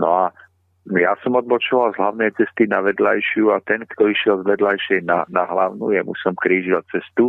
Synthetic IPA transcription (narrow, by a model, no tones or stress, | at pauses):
nɔ̰a | jasɔmɔd̪̚bɔt͡ʃɔʋalzɦlaʊnɛjt͡sɛst̪inaʋɛd̪la̰jʃɪuat̪ɛnkt̪ɔiʃɪɛlzʋɛd̪lajʃɛjnanaɦlaʊnṵjɛmṵsɔmkɾiːʒdɔt͡sɛst̪u